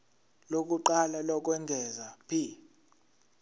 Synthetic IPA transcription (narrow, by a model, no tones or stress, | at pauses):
lok̬uǃalalɔk̬wɛŋɡʱɛzapʰi